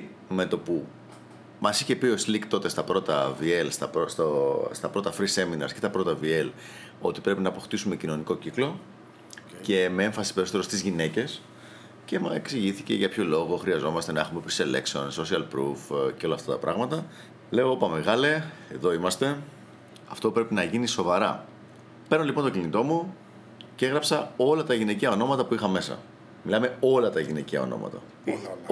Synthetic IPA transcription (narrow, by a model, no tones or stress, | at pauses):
me̞t̪o̞pu | mɐsiçe̞pio̞slikt̪o̞t̪e̞st̪ɐpɾo̞t̪ɐvielst̪ɐpost̪ost̪ɐpɾo̞t̪ɐfɾise̞minɐ̰ɾscet̪ɐpɾo̞t̪ɐvie̞l | o̞̰t̪i̥pɾe̞pinɐːpo̞xt̪isume̞cino̞niko̞ciklo̞ | ce̞mee̞ɱfɐsi̥peisot̪eɾost̪izʝine̞ce̞s | ce̞mɐeksiʝiθice̞̰ʝɐpço̞lo̞ɣo̞xɾiɐzo̞mɐst̪e̞nɐexumepɾisele̞̰ksio̞nso̞siɐlpɾufceo̞lɐft̪ɐt̪ɐpɾɐɣmɐt̪ɐ | le̞o̞opɐme̞ɣɐleeðo̞imɐst̪e̞ | ɐft̪o̞pɾe̞pinɐʝiniso̞vɐɾɐ̰ | pe̞ɾno̞lipont̪ocinit̪o̞mu | cee̞ɣɾɐpsɐo̞lɐt̪ɐʝineciɐo̞no̞mɐt̪ɐpuixɐme̞sɐ̰ | milɐme̞o̞lɐt̪ɐʝineciɐ̰o̰no̰mɐ̰t̪ɐ̰